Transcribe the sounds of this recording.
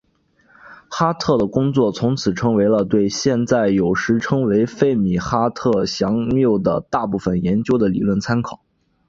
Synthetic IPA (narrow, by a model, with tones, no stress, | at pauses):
xa˥t̪ʰɤ˥˩d̪ə˩kʊ˥ŋt͡swɔ˥˩t͡sʰʊ˧˥ŋt͡sʰɹ̩˨˩ʈ͡ʂʰɤ˥ŋwe˧˥ɪlə˧t̪we˥˧ɪɕjɛ˥˧nt͡sa˥˩ɪjo˨˩ʊʂɻ̩˧˥ʈ͡ʂʰɤ˥ŋwe˧˥ɪfe˥˩ɪmi˨˩xa˥t̪ʰɤ˥˩ɕjɑ˧˥ŋljo˥˩ʊd̪ə̰˩t̪a˥˧pu˥˩fə˩njɛ˧˥nt͡ɕjo˥ʊd̪ə˨li˨˩lwə˥˩nt͡sʰa˥nkʰɑ˨˩˦